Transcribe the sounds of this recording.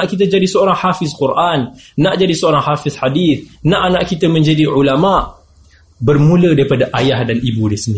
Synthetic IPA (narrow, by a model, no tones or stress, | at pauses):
aʔkit̪ad͡ʒadisəoɾaŋhafɪskurʔanːaʔd͡ʒadisəoɾaŋhafɪθħadiθnãʔanaʔkit̪amə̃ɲd͡ʒadiʕulamaʔ | bərmũlədaɾipadaʔajahdanibudisini